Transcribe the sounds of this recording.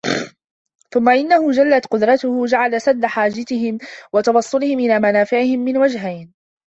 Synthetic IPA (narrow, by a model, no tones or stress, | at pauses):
θʊmːaʔɪnːahʊd͡ʒalːat̪qʊd̪ɾˤɑt̪ʊhʊd͡ʒaʕalasad̪ːaħaːd͡ʒat̪ɪɦɪmwɑt̪ɑwɑsˤːʊlɪhɪmʔɪlaːmanaːfɪʕɪhɪmːɪnwad͡ʒɦajn